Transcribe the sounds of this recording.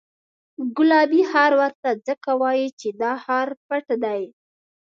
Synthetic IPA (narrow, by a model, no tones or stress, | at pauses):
ɡʊlɑbihaɾwaɾt̪ad͡zəkawɑjit͡ʃed̪ɑhɑɾpaʈd̪aj